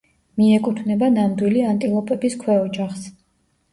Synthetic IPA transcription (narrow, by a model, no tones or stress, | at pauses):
miɛkʼut̪ʰvnɛbanamd̪wiliant̪ʼilˠɔpʼɛbiskʰwɛɔd͡ʒaχs